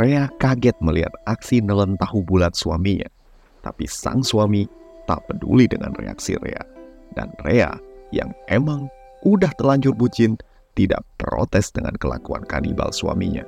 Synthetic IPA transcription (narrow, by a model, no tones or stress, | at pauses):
reakaɡɛt̪̚məliɦa̰t̪aksinələnt̪aɦubulat̪̚suamiɲa | t̪apisaŋsuami | t̪apədṵlidəŋanrḛa̰ksḭɾea | danreajaŋʔemaŋ | ʔudaht̪əlaɲt͡ʃʊrbud͡ʒɪn | t̪ida̰ʔpəɾot̪ɛsdəŋankəlakua̰nkaniba̰lsua̰miɲa